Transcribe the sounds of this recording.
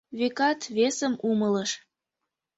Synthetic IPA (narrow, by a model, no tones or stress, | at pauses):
βekɑt̪βesəmumələʃ